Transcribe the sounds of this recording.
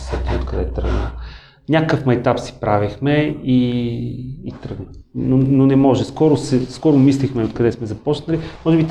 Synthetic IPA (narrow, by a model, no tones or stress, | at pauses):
sɛt̪iot̪kɐd̪ɛt̪ɾə̰ɡnə | nʲakəfmɐjt̪apsi̥pɾavixmɛiː | t̪ɾəɡnənononɛmɔʒɛskɔɾʊsɛskɔɾʊmislixmɛot̪kɐd̪ɛsmɛzɐpɔt͡ʃnəlʲimɔʒɛbit̪